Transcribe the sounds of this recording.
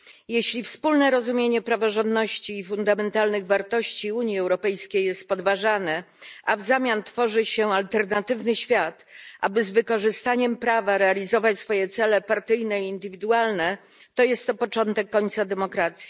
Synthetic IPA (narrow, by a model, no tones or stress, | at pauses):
jeɕlʲifspulnɛɾɔzumʲjeɲɛpɾavɔʐɔnd̪nɔɕt͡ɕiːfund̪amɛnt̪alnɘɣvaɾt̪ɔɕt͡ɕiuɲjiɛwɾɔpɛjskʲejɛst̪̚pɔd̪vaʐanɛ | ʔavzamʲjant̪fɔʐɘɕɛalt̪ɛɾnat̪ɘvnɘɕfʲjat̪ʔa̰bɘzvɘkɔʐɘst̪aɲɛmpɾavaɾɛalʲizɔvat͡ɕsfɔjɛt̪sɛlɛpaɾt̪ɘjnɛiːnd̪ɘvʲid̪ualnɛ | t̪ɔjɛst̪ːɔpɔt͡ʂɔnt̪ɛkːɔɲt̪sad̪ɛmɔkɾat̪sʲji̥